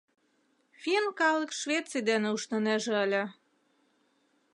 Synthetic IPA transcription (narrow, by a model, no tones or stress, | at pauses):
fʲinkɑləkʃvʲet̪t͡sijd̪enĕuʃnɤ̆neʒĕəlʲĕ